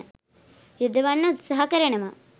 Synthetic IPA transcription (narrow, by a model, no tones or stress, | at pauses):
jud̪ʱɐʋɐnːɐut̪sɐɦɐkɐɾɐɳɐmɐ